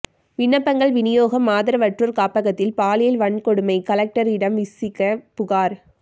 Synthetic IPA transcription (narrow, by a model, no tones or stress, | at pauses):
ʋɪɳːɐpːɐŋɡɐɭʋɪnɪjoːɣɐmːaːðɪɾɐʋɐʈruɾkaːpɐɣɐt̪ːɪlpaːlɪjɐlʋɐɳkɔɽɯmɐɪkɐlɐk̚ʈɐɾɪɽɐmʋɪsɪkːɐpʊɣaːɾ